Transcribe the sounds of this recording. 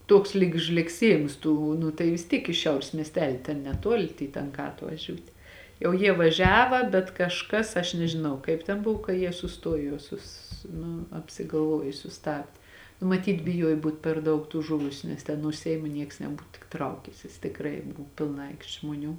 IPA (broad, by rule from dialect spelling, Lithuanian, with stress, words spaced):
ˈtuɔks lʲiːk ʒʲlʲɛkˈsʲiɛjɪms ˈtuː nʊ tɐɪ ʋʲɪs ˈtʲiːk ɪʃ ˈʃʲɛʊrʲeːs mʲiɛsʲˈtʲæːlʲɪ tʲɛn nʲɛˈtuɔlʲɪ tʲeːɪ ˈtɐŋkɑː ɐtʋɐˈʒʲuːtʲeː jɛʊ ˈjiɛ ʋɐˈʒʲæːʋɐ bʲɛt kɐʃˈkɐs ɐʃ nʲɛʒʲɪˈnɐʊ kɐɪp tʲɛn ˈbʊw kɐ ˈjiɛ sʊˈstuɔjoː juɔˈsʊs ˈnʊ ɐpʲsʲɪɡɐlˠˈʋuɔj sʊˈstɑːbʲdʲeː nʊ mɐˈtʲiːt bʲɪˈjuɔj ˈbuːt pʲɛr ˈdɐʊk tuː ˈʒʊʋʊsʲʊ nʲɛs ˈtʲɛn nuɔ ˈsʲɛɪmoː ˈnʲiɛks nʲɛˈbuːt tʲɪk ˈtrɐʊkʲæːsʲɪs tʲɪkˈrɐɪ ˈbʊ pʲɪlˠˈnɐ ˈɐɪkʃʲtʲ ʒmoːˈnʲuː